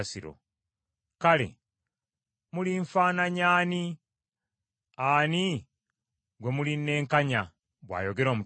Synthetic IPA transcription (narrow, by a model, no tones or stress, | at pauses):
siɾo̰ | kalḛ | muliɱfaːnaɲaːni | aːni | ɡwe̞muline̞ːŋkaɲa | bwa̰ːjo̞ɡe̞ɾo̞ːmu